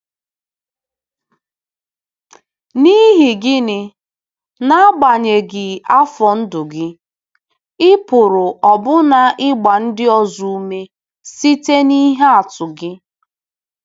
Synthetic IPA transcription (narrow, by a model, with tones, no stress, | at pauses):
ni˦ɦɪ˨ɡɪ˦nɪ˨ | na˦ɡ͡ba˨ɲe˨ɡɪ˨a˦fɔ˨n̩˦dʊ˨ɡɪ˦ | ɪ˦pʊ˨ɾʊ˨ʔɔ˨bʊ˦na˨ʔɪ˦ɡ͡ba˨n̩˦dɪ˦ɔ˨zu˦u˦me˦ | si˦te˦ni˦ɦe˦a˨tʊ˨ɡɪ˦